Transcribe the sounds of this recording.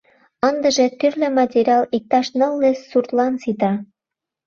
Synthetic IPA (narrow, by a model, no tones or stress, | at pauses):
ɤ̆nd̪ɤ̆ʒĕt̪yrlʲĕmɑtʲeɾʲɑlik̚t̪ɑʃnɤ̆lːĕsːurt̪lɑnsit̪ɑ